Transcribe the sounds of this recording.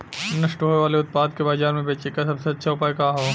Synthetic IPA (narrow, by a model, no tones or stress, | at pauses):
nɐʃʈɦoːeʋaːleʊt̪̚paːd̪̚kebaːzaːɾmẽbeːt͡ʃekasɐbseɐtːʃʰaʊpaːekaɦoː